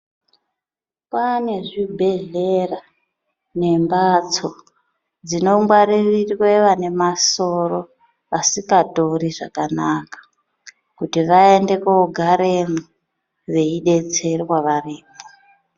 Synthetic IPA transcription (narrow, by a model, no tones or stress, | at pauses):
pane̞ʐibʱe̞ɮera | ne̞mbat͡so | d͡zino̞mɡwaɾirirweʋane̞maso̞ɾo̞ | asikatoɾiʐa̰kanakḁ | kutiʋae̞nde̞kouɡʱaɾemu | ʋe̞iɗe̞t͡se̞rwaʋariːmo